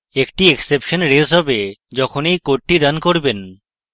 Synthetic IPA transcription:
ekʈieksepʃɔnɾesɦɔbed͡ʒɔkʰonejkoʈʈːiɖankoɾben

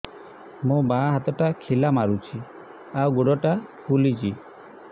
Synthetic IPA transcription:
mũbaɦat̪ɔʈakʰilamaɾut͡ʃʰi | awɡoɽɔʈakʰulit͡ʃi

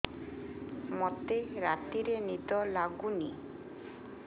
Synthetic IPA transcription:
mɔt̪eɾat̪iɾenid̪ɔlaɡuni

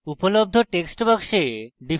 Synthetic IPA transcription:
upolob̚d̪ʱoʈeksʈbakʃeɖi

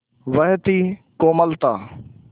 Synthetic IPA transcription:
ʋəɦt̪iːkoːməlt̪aː

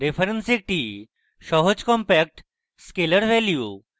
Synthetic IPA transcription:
ɾepʰɐɾensek̚ʈi | ʃɔɦod͡ʑkɔmpɛk̚ʈ | skeləɾʋɛlju

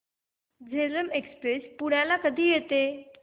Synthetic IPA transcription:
d͡ʑeləmekspɾespuɽ̤jalakəd̪ʱiːjet̪e

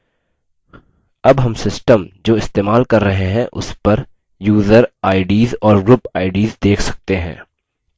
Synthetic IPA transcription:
ɐbɦɐmsɪsʈəmd͡ʒoːɪst̪eːmaːlkɐɾːɐɦeɦɛ̃ʔʊ̰spɐɾ | juːzəɾaːɪɖiːzɔːɾɡɾʊpaːɪɖiːzd̪eːkʰsɐ̥k̚t̪eɦɛ̰̃ː

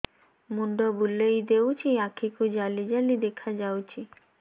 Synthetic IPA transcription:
munɖobulːejd̪ewt͡ɕʰiakʰikud͡ʑalid͡ʑalid̪ekʰad͡ʑawt͡ɕʰi

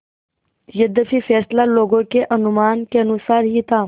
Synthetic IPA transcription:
jəd̪əfifɛːslaloːɡõkeʔɐnʊmaːnkeənusaːɾɦit̪ʰaː

